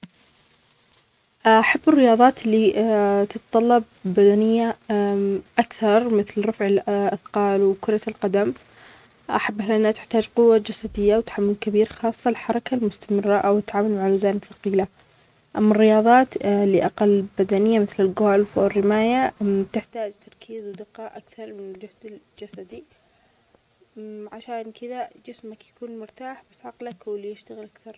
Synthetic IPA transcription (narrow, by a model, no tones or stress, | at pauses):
ʔaħabːɪrːɪjɑːðˤɑːt̪lːit̪ɪt̪t̪ˤɑlːɑb̚ː | ad̪anɪjːa | ʔakθɑɾˤmɪθlɾˤɑfʕɪlʔaθqɑːlwkʊɾˤɑlqad̪am | ʔaħabːahlʔɪnːat̪ɪ̥ħt̪aːd͡ʒqʊwːad͡ʒasad̪ɪjːawt̪ḁħamːʊlkabiːɾxɑːsˤːɑlħɑɾˤɑkalmʊst̪amɪrˤːaʔawɪt̪ːʕaːmalmaʕalːʊzaːnɪfɑ̥qiːla | ʔamːarːɪjɑːðˤɑːt̪lɪʔaqalːbad̪anɪjːamɪθlɪlɡoːlfwɪrːɪmaːjat̪ɪħt̪aːd͡ʒt̪ɑɾˤkʰiːzwd̪ɪqɑːʔakθɑɾˤmɪnɪld͡ʒʊhd̪ɪl | d͡ʒasad̪i | ʕaʃaːnkɪd̪ad͡ʒɪsmakjakuːnmʊɾt̪aːħbasʕɑqlakwɪljɪʃt̪aɣɪlʔakθɑɾˤ